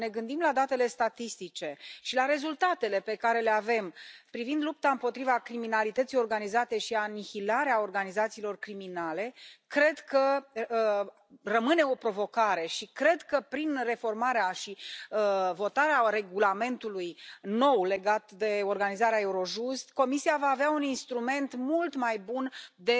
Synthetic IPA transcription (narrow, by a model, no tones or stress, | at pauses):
ne̞ɡɨnd̪imlad̪at̪e̞le̞st̪at̪ist̪it͡ʃe̞ʃilaɾe̞zult̪at̪e̞le̞pe̞kaɾe̞le̞ave̞mpɾivind̪lup̚t̪aɨmpo̞t̪ɾivakɾiminalit̪ət̪sijo̞rɡanizat̪e̞ʃianihilaɾeao̞rɡanizat̪siːlo̞rkɾiminale̞kɾe̞d̪kə | rəmɨne̞o̞pɾo̞vo̞kaɾe̞ʃikɾe̞d̪kəpɾinre̞fo̞rmaɾeaʃiəvo̞t̪aɾeaɾe̞ɡulame̞nt̪ulujno̞wle̞ɡat̪d̪e̞o̞rɡanizaɾeae̞uɾo̞ʒust̪ko̞misiavaːveauninst̪ɾume̞nt̪mult̪majbund̪e̞